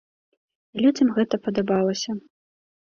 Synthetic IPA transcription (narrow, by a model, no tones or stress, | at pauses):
ilʲud͡zʲɐmɣɛt̪ɐpɐd̪abalˠɐsʲɐ